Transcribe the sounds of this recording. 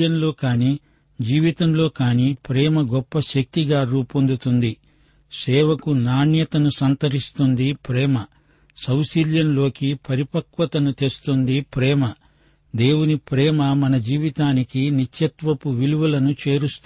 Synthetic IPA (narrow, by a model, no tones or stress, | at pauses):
jɐnlo̞ːkaːniː | d͡ʒiːʋit̪ɐmlo̞ːkaːniːpɾɛːmɐɡɔpːɐʃɐk̚t̪iɡaːɾuːpond̪ut̪und̪i | sɛːʋɐkunaːɳjɐt̪ɐnusɐnt̪ɐɾist̪und̪ipɾɛːmɐ | sɐwsiljɐnlo̞ːkipʰɐɾipɐkʋɐt̪ɐnut̪est̪und̪ipɾɛːmɐ | d̪e̞ːwunipɾɛːmɐmɐnɐd͡ʒiːʋit̪aːnikinit͡ʃjɐt̪ʋɐpuʋiluʋɐlɐnut͡ʃe̞ːɾust̪